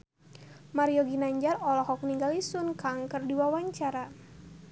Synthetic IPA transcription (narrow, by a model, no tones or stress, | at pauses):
maɾiɔɡinaɲd͡ʒarɔlɔhɔk̚niŋɡalisunkaŋkərdiwawaɲt͡ʃaɾa